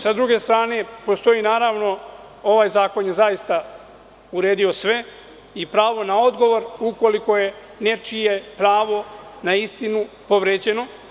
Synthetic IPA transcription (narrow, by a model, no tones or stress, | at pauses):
sad̪ɾuɡe̞st̪ɾaːne̞po̞st̪o̞jiːnaːɾaːʋno̞ | o̞ʋaːjzaːko̞nje̞zajist̪a | uɾeːd̪io̞sʋe̞ | ipɾaːʋo̞nao̞d̪ɡo̞ʋo̞ɾuko̞liko̞je̞ | ne̞t͡ʃijepɾaːʋo̞naist̪inupo̞ʋɾeːd͡ʑe̞no̞